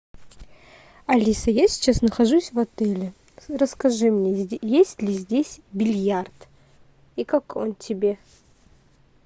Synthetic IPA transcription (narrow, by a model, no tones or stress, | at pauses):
ɐlʲisəjasʲɪ̥t͡ɕasnəxɐʐusʲvɐt̪ɛlʲɪ | rəskɐʐɨmnʲejesʲtʲlʲɪzʲdʲesʲbʲɪlʲjart̪ | ikakontʲɪbʲe